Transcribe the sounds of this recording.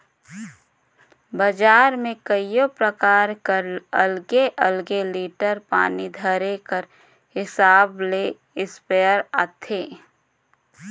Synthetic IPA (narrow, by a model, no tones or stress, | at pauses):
bəd͡ʒaːɾmẽkəijopɾəkaːɾkəɾəlɡeʔəlɡeliːʈəɾpa̰ːnid̪ʱəɾekəɾ | hɪsaːble | ɪspeːəɾat̪ʰeː